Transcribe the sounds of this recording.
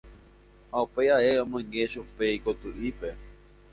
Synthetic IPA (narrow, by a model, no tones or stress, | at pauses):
haupeaeõmõŋɡeʃupeikot̪uʔipe̞